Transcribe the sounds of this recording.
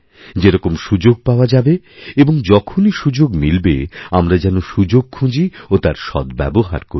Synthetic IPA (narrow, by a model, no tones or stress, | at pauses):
d͡ʑeɾɔkomʃud͡ʑoɡ̚paoad͡ʑabe | eboŋd͡ʑɔkʰoniʃud͡ʑoɡmilbeamɾad͡ʑɛnoʃud͡ʑoɡ̚kʰũd͡ʑiot̪aɾʃɔ̰d̪bɛ̰boɦa̰ɾkoɾi